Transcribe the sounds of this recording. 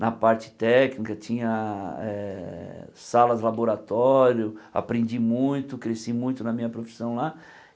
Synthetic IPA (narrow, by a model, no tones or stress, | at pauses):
nɐpaɾt͡ʃɪ̥t̪ɛknikɐt͡ʃĩɲɐɛ | salɐzlaboɾat̪ɔɾjʊa̰pɾẽnd͡ʒimũj̃t̪ʊkɾesimũj̃t̪ʊnɐmĩɲɐpɾofi̥sɐ̃w̃la